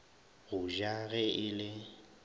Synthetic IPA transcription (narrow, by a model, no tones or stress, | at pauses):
ɣʊʒaɣɛɪlɪ